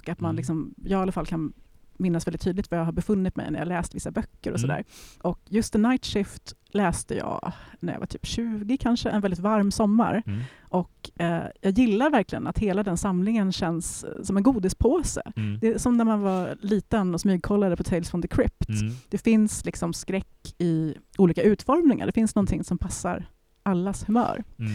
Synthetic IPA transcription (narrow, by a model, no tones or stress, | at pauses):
ɔkat̪manlɪksɔmjɑːɡalːafalkʰanmɪnːasvɛlɪt̪ʰːyːd̪ɪkt̪vajɑːɦaɾbɛfɵnːɪt̪mɛ̰jnæ̰ɾj̰a̰ɡlɛːst̪vɪsːabœkːəɾɔsɔd̪æ̰ːɾʔɔkjɵst̪ɪnajt̪ʂɪft̪ | lɛːst̪əjɑ̰ːnæɾjɑ̰va̰t̪ʰy̥̰ːpɕʉ̟ːɡɪkʰanʂəʔɛ̰nvɛlɪt̪vaɾmsɔmːa̰ɾʔɔkːjɑːɡjɪlːaɾvæɾklɪɡə̰nat̪heːlad̪ɛnsamlɪŋənɕɛnːsːɔmɛnɡuːd̪ɪspʰoːsə̰d̪ɛsɔmnæɾmanvaɾliːt̪ənɔsmyːɡ̚kʰɔlːad̪əpʰɔt̪ʰɛjlsfɔnd̪əkʰɾɪpt̪d̪̥ɛfɪnslɪksɔmskɾɛkːɪʔuːliːkaʉ̟ːt̪fɔɾmnɪŋa̰ɖɛfɪnsnɔnt̪ʰɪŋsɔmpʰasːa̰ɾ | ʔalːashɵmœ̰ːɾ